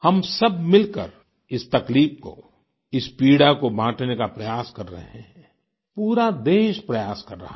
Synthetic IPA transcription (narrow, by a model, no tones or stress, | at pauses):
hɐmsɐbmɪlkə̰ɾ | ɪst̪ɐkliːp̚ko̰ | ɪspiːɽakobʱãːʈnekapɾɐjaːskɐɾːɐ̰ɦeɦɛ̃ɦɛ̃ | puːɾad̪eːʃpɾɐjaːskɐɾːɐ̰ɦa